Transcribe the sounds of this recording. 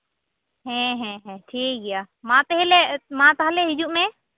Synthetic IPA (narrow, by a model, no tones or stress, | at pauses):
ɦɛ̃ɦɛ̃ɦɛ̃ʈʰiːkija | mãt̪eɦelemãt̪aɦleɦɪd͡ʒuʔmẽ